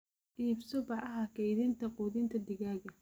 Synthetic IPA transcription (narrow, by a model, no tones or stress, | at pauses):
ʔiːbsɔbɑʕɐɦɐkʰɛjðɪnt̪ʰɐqɔːðɪnt̪ʰɐd̪ɪɣaːɣɐ